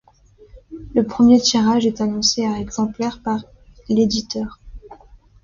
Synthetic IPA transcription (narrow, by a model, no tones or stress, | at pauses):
ləpχəmjet̪iʁaʒɛt̪anɔ̃seaɛɡzɑ̃plɛʁpaʁ | led̪it̪œːʁ